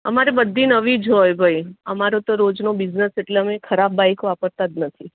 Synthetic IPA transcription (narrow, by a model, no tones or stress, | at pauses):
əmaɾibəd̪ʱːinəʋid͡ʒɦojbʱajəmaɾot̪oɾod͡ʒnobiznəseʈleəmekʰəɾabːajkʋapəɾt̪at̪̚nət̪ʰi